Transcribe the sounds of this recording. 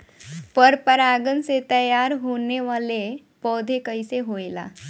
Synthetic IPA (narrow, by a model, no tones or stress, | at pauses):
pəɾpəɾaɡənset̪əjaɾɦoneʋale | pɔd̪ʱekəjseɦojla̰